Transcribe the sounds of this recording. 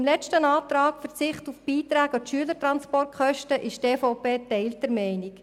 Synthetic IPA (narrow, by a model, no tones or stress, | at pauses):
ɪmlɛt͡ʃtənɑːt̪ɾɑːkfəɾt͡sɪχtufb̥iːt̪ɾæːɡɑtʃyələtɾɑnspɔrt̚χœʃtəʔɪʃteːfɔʊpeːtɛɪldɛɾmɛɪnɪk